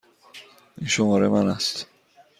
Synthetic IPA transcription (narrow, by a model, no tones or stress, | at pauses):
inʃomɒːɾemænæst̪